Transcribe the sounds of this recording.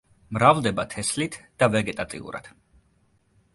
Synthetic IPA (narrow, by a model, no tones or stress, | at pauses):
mɾavlˠd̪ɛbat̪ʰɛslit̪ʰd̪̥avɛɡɛt̪ʼat̪ʼḭṵɾa̰d̪̥